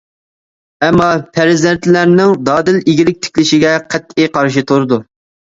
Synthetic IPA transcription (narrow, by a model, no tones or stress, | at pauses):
ɛmːɑpʰæɾɪzɛnt̪ʰlæɾnɪŋd̪ɑːd̪ɪliɡʲilɪk̚ʲt̪ʰɪ̥kʲlɪʃɪɡʲɛqʰæt̪ʰːijqʰɑɾʃit̪ʰoɾɨd̪u